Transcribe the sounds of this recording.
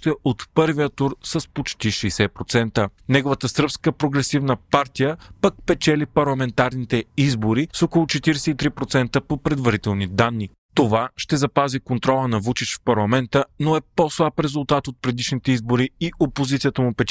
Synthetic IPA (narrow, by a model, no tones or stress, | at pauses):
t̪əʔot̪pɤɾvijət̪uɾsəspot͡ʃt̪iʃɛːsɛpɾot̪sɛnt̪ənɛɡovət̪əsɾpskəpɾoɡɾɛsivnəpaɾt̪ijəpək̚pɛt͡ʃɛlipɐɾlˠɐmɛnt̪aɾnit̪ɛizboɾisokolˠʊt͡ʃɛt̪iɾɛsɛit̪ɾipɾot̪sɛnt̪əpopɾɛd̪vɐɾit̪ɛlˠnid̪anːi | t̪ovaʃt̪ɛzɐpazikont̪ɾɔlˠənɐvut͡ʃit͡ʃfpɐɾlˠɐmɛnt̪ənoɛposlˠapɾɛzulˠt̪at̪ot̪̚pɾɛd̪iʃnit̪ɛizboɾiiʔopozit̪sijət̪əmʊpɛt͡ʃ